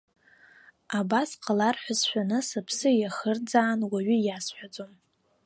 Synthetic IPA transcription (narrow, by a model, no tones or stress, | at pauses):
abasqʰʼalarħʷᶣasʃʷᶣanɨsɨpʰsɨjaχərd͡zaːnwaɥʏjasħʷᶣad͡zom